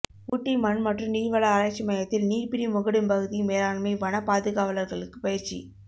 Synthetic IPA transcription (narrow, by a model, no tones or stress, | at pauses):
kuʈːimɐnmɐʈrɯmniːɾʋɐɭɐːɾɐɪt͡ʃːimɐjɐt̪ːɪlniːɾpɪɾimʊɣɐɽɯmpɐɣɯðimeːlaːɳmɐɪʋɐnɐpaːðɯɣaːʋɐlɐɾɣɐɭɯkːɯ̥pɐjɪɾt͡ʃḭ